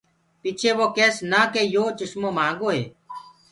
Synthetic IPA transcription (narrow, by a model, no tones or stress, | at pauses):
piːt͡ʃʰeːʋoːkeːsnaːkeːjoːt͡ʃʊʃmõːmãːɡoːɦḛː